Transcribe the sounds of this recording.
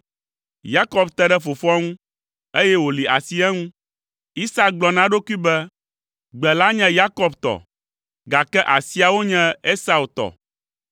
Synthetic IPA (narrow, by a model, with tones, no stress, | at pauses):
ja˦kɔ˨bt̪ɛ˦ɖɛ˦fo˨fɔ˦ŋũ˦ | e˦jɛ˦wo˨li˨ʔa˨si˦ɛ˦ŋũ˦ | i˦sa˦k̚ɡ͡blɔ˨nã˦ɖo˦ku˦i˦bɛ˦ | ɡ͡bɛ˨la˦ɲɛ̃˦ja˦kɔ˨bt̪ɔ̰˨ | ɡa˨kɛ˦ʔa˨si˦a˨wo˦ɲɛ̃˦e˦sa˨u˨t̪ɔ̰˨